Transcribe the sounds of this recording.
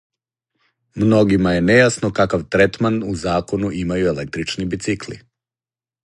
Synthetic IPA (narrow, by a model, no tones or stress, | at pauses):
mno̞ɡimaje̞nejasno̞kakaʋt̪ɾet̪manuzaːko̞nuʔimajuelek̚t̪ɾit͡ʃnibit̪sikli